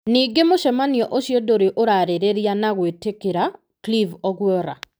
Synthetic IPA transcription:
niːɡemoʃɛmaniɔʔoʃjedoɾeʔoɾaɾeɾeɾjanaɣwetekeɾa | klivɔɣwɔɾa̰

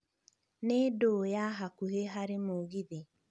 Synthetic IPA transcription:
nedojaɦakuɦeɦaɾɪmoɣiði

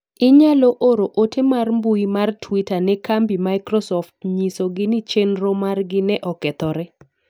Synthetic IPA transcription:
ɪɲaloʔoɾoʔotemarmbuimartʰwitanɛkambimajkɾɔsɔftɲisoɡɪnɪt͡ʃenɾomarɡɪnɛʔɔkɛt̪ɔɾɛ

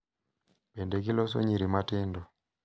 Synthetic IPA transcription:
pɛndɛk̬ilɔs̬ɔ̰ɲiɾimatɪndɔ

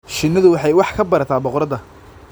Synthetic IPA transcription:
ʃɪnːɐðʊwɑħɑjwɑħkʰɐbɐɾɐt̪ʰaːbɔqɾɐðɐ

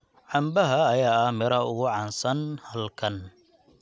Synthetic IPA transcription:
ʕɑmbɐɦɐːjaːɐmɪɾɐʊɣʊʕɑːnsɐnhɐlkʰɐn

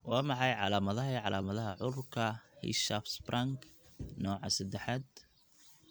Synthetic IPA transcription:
wɑːmɑħɑjʕɑ̰laːmɐðɐɦɐiʕɑlʔaːmɐðɐɦɐʕʊrkʰɐhɪ̰ʃafsbrʔaŋknɔːʕɑ̰sɐd̪ɛħad̪

